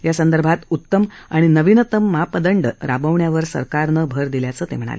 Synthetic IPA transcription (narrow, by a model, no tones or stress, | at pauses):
jasənd̪əɾbʱat̪ut̪ːəmaɽ̃inəʋinət̪əmːəɦapəd̪əɳɖɾabəʋɳjaʋəɾsə̰ɾkaɾnəbʱəɾd̪iljat͡səːt̪em̤əɽ̃a̰le